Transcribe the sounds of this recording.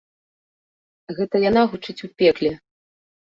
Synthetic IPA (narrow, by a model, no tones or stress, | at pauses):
ɣɛt̪ɐjanaɣut͡ʂɨt͡sʲupʲɛklʲɛ